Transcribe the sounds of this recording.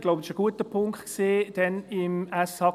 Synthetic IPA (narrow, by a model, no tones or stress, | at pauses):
ɡ̥loʊbəɪ̥ʃəɡ̥uətəpʰʊŋktkseːd̥ɛnɪmæshɑ